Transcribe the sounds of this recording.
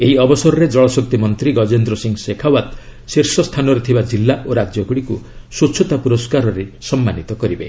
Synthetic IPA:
eɦiɔbɔsɔɾɔɾed͡ʒɔɭɔsɔk̚t̪imɔnt̪ɾiɡɔd͡ʒend̪ɾɔsiŋsekʰawat̪ | siɾsɔst̪ʰanɔɾet̪ʰibad͡ʒilːaʔoɾad͡ʒjɔɡuɽikusut͡ʃʰɔt̪apuɾɔskaɾɔɾesɔmːanit̪ɔkɔɾibe

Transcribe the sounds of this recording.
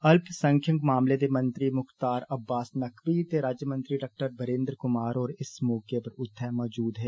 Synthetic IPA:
ɐlpʰsə̃ŋkʰjə̃ŋkmaːmled̪emɐ̃nt̪ɾimʊxt̪aːɾɐbːaːsnɐkʰʋit̪eɾaːd͡ʒjəmə̃nt̪ɾiɖaːk̚ʈəɾbəɾẽːnd̪ɾkʊmaːɾɔːɾɪsmɔːkepɐɾʊt̪ʰːɛmɔːd͡ʒuːd̪ɦɛː

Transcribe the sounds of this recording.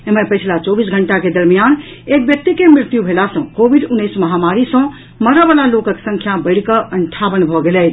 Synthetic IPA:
emepət͡ʃʰlat͡ʃɔbisɡʱəɳʈaked̪əɾmijan | ek̚bjək̚t̪ikemɾɪɾt̪jubʱelasə̃kobʱiɖunːəjsməɦamaɾisə̃ | məɾəbalalokəksə̃ŋkʰjabəɪɽ̤kəʔəɳʈʰaʋənbʱɔɡelɛt̪ʰ

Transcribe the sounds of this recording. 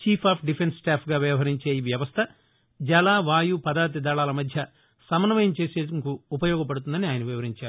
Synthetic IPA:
t͡ʃiːpʰaːpʰɖipʰenssʈaːpʰɡaːʋjɐʋɐɦɐɾiɲt͡ʃeːiʋjɐʋɐst̪ʰɐ | d͡ʒɐlaːʋaːjupɐd̪aːɾt̪̬id̪aːɭaːlɐmɐd̪ʱjɐ | sɐmɐnɐʋɐjɐmt͡ʃe̞ːseːsmikuːpɐjɔːɡɐp̬ɐɽut̪und̪ɐniaːjɐnɐʋiʋɐɾiɲt͡ʃaːɾu

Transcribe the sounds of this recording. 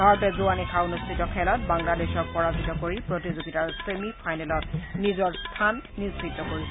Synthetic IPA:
ɦɔɹɔtɛzuanikʰaunustʰitɔkʰɛlɔt̚baŋladeʃɔk̚pɔɹazitɔkoɹipɹotizoɡitaɹsemipʰajnɛlɔt̚nizɔɹstʰanːizbitːɔkoɹisɛ

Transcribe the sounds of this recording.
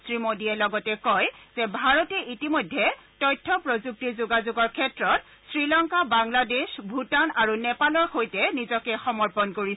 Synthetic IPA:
sɹimodiɛlɔɡɔtɛkɔjz̥ɛbʱaɹɔtɛʔitimojdʱːɛtɔjtʰːɔpɹozuk̚tiɹzuɡazʊɡɔɹkʰɛtɹɔt | sɹilɔŋkabaŋladesbʱutanaɹunɛpalɔɹxojtɛnizɔkɛxɔmɔɹpɔnkoɹis

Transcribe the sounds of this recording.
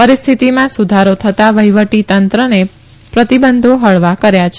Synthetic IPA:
pəɾist̪ʰit̪imãsud̪ʱaɾot̪ʰət̪aʋəjʋəʈit̪ənt̪ɾəne | pɾət̪ibənd̪ʱoɦəɭʋakəɾjat͡ʃʰe

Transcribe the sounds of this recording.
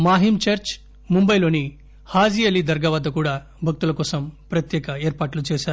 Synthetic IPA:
maːɦimt͡ʃɐɾt͡ʃ | mumbɐjlo̞ːni | haːd͡ʒijɐlid̪ɐɾɡɐːʋɐd̪ɐkuːɽaː | bʱɐk̚t̪ulɐkɔːsɐmpɾɐt̪jɛːkɐeːɾpaːʈlut͡ʃeːʃaːɾu

